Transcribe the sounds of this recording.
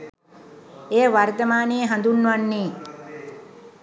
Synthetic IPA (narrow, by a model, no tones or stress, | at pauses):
eːəʋart̪əmaːnejːɦand̪unːʋanːeː